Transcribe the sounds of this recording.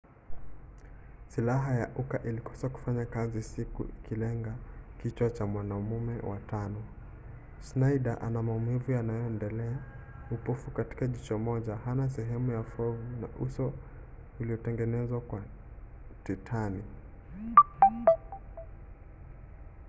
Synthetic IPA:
silaɦajaʔukaʔilikɔ̥saku̥faɲakazisikṵʔikilɛŋɡakit͡ʃwat͡ʃamwanaumumɛ̰wʔa̰tanɔ | snaiɗaʔanamaumivujanajɔɛndɛlɛa | upufukati̥kaʄit͡ʃɔmɔʄahanas̬ɛɦɛmujafɔvuna̰ʔusɔ | uliɔtɛŋɡɛnɛzwakwa | titʰani

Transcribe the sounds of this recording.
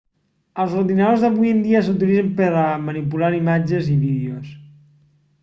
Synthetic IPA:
əlˠzuɾðinəðozðəβujənd̪iəs̬uwt̪̬ilid͡zəmpəɾəmənipulaɾimad͡ʒəziβiðios

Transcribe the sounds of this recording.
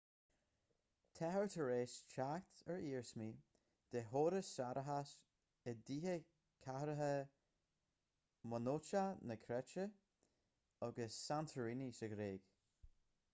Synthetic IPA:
t̪ʰɛɦəɹt̪ʰəɹeːst͡ʃakt̪əɹiːɹsmiː | d̪̥eɦoːɾəsaɾʔəɦas | əd̪iːɦə | kʰahɾəɦə | mənot͡ʃanəkʰɾɛt͡ʃə | ɔɡəsːant̪ʰəɹinisəɡɾeːɡ̥

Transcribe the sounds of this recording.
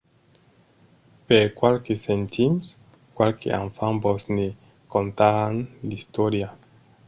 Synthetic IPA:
peɾkwalkesent̪ʰims | kwalkḛʔa̰ɱfambosne | kont̪aanlist̪oɾja

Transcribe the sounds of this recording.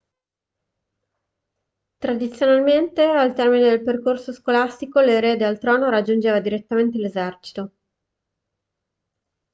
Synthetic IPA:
t̪ɾad̪it̪sːjonalment̪ealt̪ɛrmined̪elperkorsoskolast̪ikoleɾeːd̪ealt̪ɾɔːnoɾad͡ʒːund͡ʒeːvad̪iɾet̪ːament̪̬elezɛrt͡ʃi̥t̪o

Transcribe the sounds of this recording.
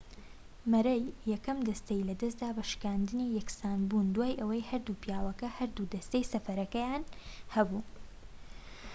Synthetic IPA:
mɐɾɐjːɛkɐmd̪ɐst̪ejlɐd̪ɐs̬t̪d̪aːbɐʃɨ̥kaːnd̪ɨnijɛksaːnbund̪waːjʔɐwɐjhɐɾd̪upjaːwɐkɐhɐɾd̪ud̪ɐst̪ejsɐfɐɾɐkɐjaːnhɐbu

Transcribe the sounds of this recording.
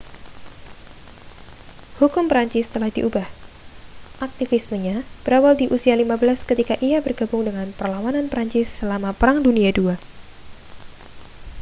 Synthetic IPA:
hukʊmpəɾaɲt͡ʃɪst̪əlahdiʔubah | ʔak̚t̪ifɪsməɲab̥əɾawaldiʔusialimabəlaskət̪ikaʔiabərɡabʊŋdəŋanpərlawananpəɾaɲt͡ʃɪsːəlamapəɾaŋduniadua

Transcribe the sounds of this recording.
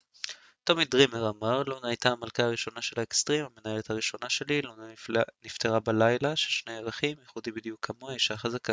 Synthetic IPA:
t̪omidʁimeʁamaʁlonaajtaamalkaːʁiʃo̞naʃe̞laekst̪ʁimamenae̞let̪haʁiʃo̞naʃe̞lilonanifteʁabalajlaʃelʃnejeʁaχimjeχudibid̪ijukʰːamoaiʃaχazaka

